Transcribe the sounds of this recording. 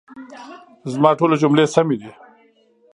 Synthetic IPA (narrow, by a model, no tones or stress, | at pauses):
zmɑːʈoːlod͡ʒumleːsɐmid̪i